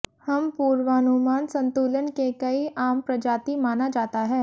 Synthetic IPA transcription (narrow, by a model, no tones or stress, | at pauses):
hɐmpuːɾʋaːnumaːnsə̃nt̪uːlənkekɐiʔaːmpɾɐd͡ʒaːt̪imaːnad͡ʒaːt̪aɦɛː